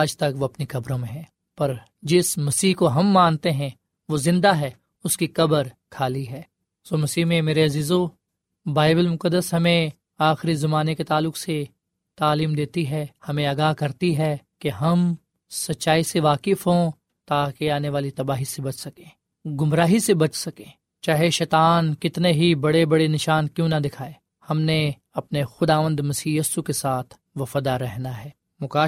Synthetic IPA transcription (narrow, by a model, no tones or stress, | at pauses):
aːd͡ʒt̪ɐkʋoɐpnikɐbɾõmẽɦɛ̃ː | pɐɾ | d͡ʒɪsmɐsiːɦkoɦɐmːãːnt̪eɦɛ̃ | ʋozɪ̃nd̪aɦɛː | ʊskikɐbəɾkʰaːliɦɛː | soːmɐsiːɦmẽmeːɾeɐziːzo | baːɪbəlmʊkəd̪ːəsɦɐmẽ | aːxɾizɐmaːneket̪aːlːʊkse | t̪aːliːmd̪eːt̪iɦɛːhɐmẽɐɡaːɦkɐɾt̪iɦɛkeɦɐm | sɐtːʃaːiseʋaːkɪfɦõ | t̪aːkeaːneʋaːlit̪ɐbaːɦisebɐt͡ʃʰsɐkẽː | ɡʊmɾaːɦisebɐt͡ʃsɐkẽː | t͡ʃaːɦeʃɛːt̪aːnkɪt̪neɦibɐɽebɐɽenɪʃaːnkjũːnɐd̪ɪkʰaːe | hɐmne | ɐpnexʊd̪aːʋə̃nd̪mɐsiːjɐsukesaːt̪ʰ | ʋɐfaːd̪aɾɛɦnaɦɛː | mʊkaː